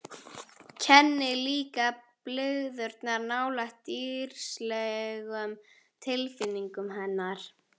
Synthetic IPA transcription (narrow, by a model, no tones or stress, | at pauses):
cʰɛnːɪliːkaplʏɣðʏɾt̪naɾnaːwlaht̪iːɾ̥slɛɣʏm | t̪ʰɪlfɪnːiŋkʏmɦɛnːaɾ̥